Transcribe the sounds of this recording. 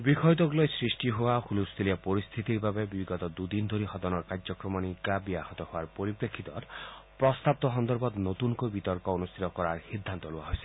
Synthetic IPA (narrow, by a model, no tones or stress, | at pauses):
bikʰɔjt̪ɔɡulɔjsɾisʈiɦowahulust̪ʰiliapɔɾist̪ʰit̪iɾbabebibiɡɔt̪ɔd̪ud̪ind̪ʱoɾiɦɔd̪ɔnɔɾkaɾd͡ʒɔkɾɔmɔnikabiahɔt̪ɔhowaɾpoɾipɾekʰːit̪ɔɾpɾɔst̪ap̚t̪ɔɦɔnd̪ɔɾbɔt̪not̪unkobit̪ɔɾkɔonust̪ʰit̪ɔkɔɾaɾhid̪ʱːant̪ɔluaɦojsi̥